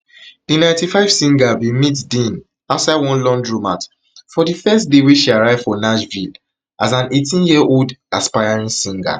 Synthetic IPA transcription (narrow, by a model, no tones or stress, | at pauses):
d̥inãɪ̃ntifaɪv̥sĩŋɡavimitdĩn | asaɪwɔ̃nlɔ̃ndɹumat | fɔdifɛstdeweʃiaɹaɪv̥fɔnaʃvil | ʔazãnetĩnjiɛʔoldaspajaɹĩnsĩŋɡa̰